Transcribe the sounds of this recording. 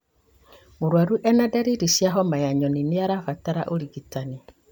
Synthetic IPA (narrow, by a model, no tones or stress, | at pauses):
muɾwaɾuʔɛnadaɾiɾisjaɦɔmajaɲɔniniaɾafataɾaʔoɾiɡitani